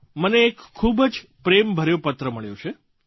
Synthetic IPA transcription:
məneːkʰːubd͡ʒpɾembʱəɾjopət̪ɾəməɭjo̰t͡ʃʰe

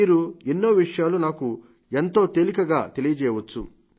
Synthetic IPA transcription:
iːɾuinːoːʋiʂɐjaːlunaːku | ent̪o̞ːt̪elikɐɡaːt̪e̞lijɐt͡ʃɛːjʋɐt͡ʃːṵ

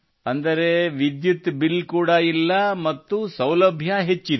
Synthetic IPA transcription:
ɐnd̪ɐɾe̞ʋid̪jut̪bilːkuːɽɐilːɐmɐt̪ːusɐwlɐbʱjɐɦe̞t͡ʃːid̪

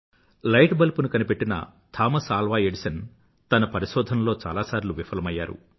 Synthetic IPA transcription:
lɐjʈbɐlpunukɐnipe̞ʈːinɐ̰t̪ʰaːmɐsaːlʋaːeɖisɐn | t̪ɐnɐpɐɾiʃɔːd̪ʱɐnlo̞ːt͡ʃa̰ːlaːsaːɾiluʋifʰɐlɐmɐjːaːɾṵ

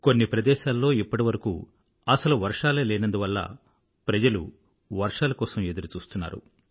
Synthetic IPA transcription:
ko̞nːipɾɐd̪ɛːʃaːlːo̞ːipːɐʈiʋɐɾɐkṵ | ɐsɐluʋɐɾʂaːleːlɛːnɐnd̪uʋɐlːɐ̰ | pɾɐd͡ʒɐlṵ | ʋɐɾʂaːlɐkɔːsɐme̞d̪uɾut͡ʃuːst̪unːa̰ːɾṵ

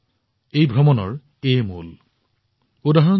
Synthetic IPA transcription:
ejbʱɔmɔnɔ̰ɹ | emṵl | udaɦɔn

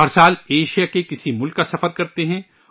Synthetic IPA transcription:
ɦɐɾsaːleːʃijakekɪsimʊlkːasɐfəɾkɐɾt̪eɦɛ̃

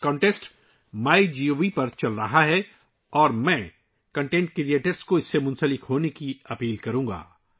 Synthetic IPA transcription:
kɔ̃ːɳʈesʈ | maːid͡ʒiːoːʋipɐɾt͡ʃɐlɾɐɦaɦɛ | ɔːɾmɛ̃ː | kɐ̃ɳʈẽːɳʈ̚kɾieːʈəɾskoɪsːemʊ̃nsəlɪkɦoːnekiɐpiːlkɐɾũːŋɡa̰ː

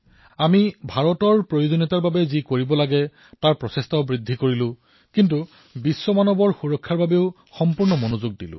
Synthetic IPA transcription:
amibʱaɹɔtɔɹpɹojozonitaɹbabɛzikoɹibɔlaɡɛ | taɹpɹɔsestʰabɹidʱːikoɹilʊ̃ | kint̬u | bisːɔmanɔbɔɹxuɹɔkʰːaɹbabeʊ | xɔmpuɹnɔmonozuɡ̚dilʊ̰̃

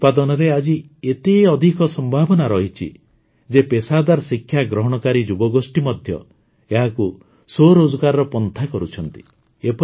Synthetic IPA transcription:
ut̪̚pad̪ɔnɔɾead͡ʒi | et̪eɔd̪ʱikɔsɔmbʱabɔnaɾɔɦit͡ʃʰḭ | d͡ʒepesad̪aɾsikʰjaɡɾɔɦɔɽ̃ɔkaɾid͡ʒubɔɡosʈimɔd̪ʱjɔ̰ | eɦaku | soɾod͡ʒɔɡaɾɔɾɔpɔnt̪ʰakɔɾut͡ʃʰɔnt̪i̥ | epɔ

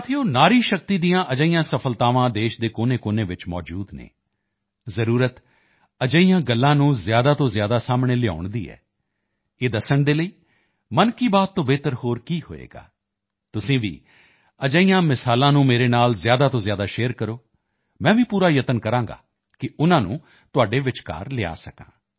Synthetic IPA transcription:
t̪ʰeːoːnaːɾiːʃək̚t̪iːd̪ijãːʔəd͡ʒəːijãːsəpʰəlt̪aːʋãːd̪eːʃd̪eːkoːneːkoːneːʋɪt͡ʃmɔ̰ːd͡ʒuːd̪nḛː | zəɾuːɾət̪ | əd͡ʒəiːjãːɡəlːãːnũːzjaːd̪aːt̪õːzjaːd̪aːsaːmɽeːlɪa̰ːʊɳd̪ḭːɛ̰ː | eːd̪əsəɳd̪eːləiː | mənkiːbaːt̪ːõːbeːt̪əɾhoːɾkiːhoːḛːɡa̰ː | t̪ʊsĩːʋḭː | əd͡ʒəijãːmɪsaːlãːnũːmeːɾeːnaːlzɪjaːd̪aːt̪õːzjaːd̪aːʃeːəɾkəɾoː | mɛ̃ːʋiːpuːɾaːjət̪ənkəɾãːɡa̰ː | kɪʊnãːnṵ̃ː | t̪ʊaːɖeːʋɪt͡ʃka̰ːɾlɪa̰ːsəkã̰ː

